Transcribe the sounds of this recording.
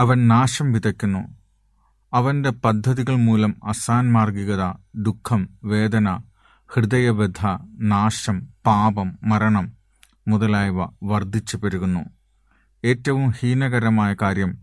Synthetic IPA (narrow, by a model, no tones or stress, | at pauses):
ɐʋɐnnaːʂɐmʋid̪ɐkʲːunːu | ɐʋɐnde̞pɐd̪ʱːɐðiɣɐɭmuːlɐmɐsaːnmaːrɡiɣɐðɐd̪ukʰːɐmʋe̞ːd̪ɐnɐ | hrɨðɐjɐʋed̪ʱɐnaːʂɐmpaːbɐmːɐɾɐɳɐmː | uðɐlaːjʋɐʋɐrd̪ʱit͡ɕːupɐɾuɣunːṵ | e̞ːtːɐʋumhiːnɐɣɐɾɐmaːjɐkaːɾjɐm